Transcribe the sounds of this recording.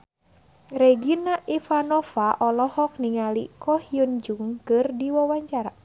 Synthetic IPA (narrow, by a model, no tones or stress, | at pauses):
reɡinaʔifanɔfaʔɔlɔhɔk̚niŋalḭkɔhiund͡ʒuŋkɨrdiwawaɲt͡ʃaɾa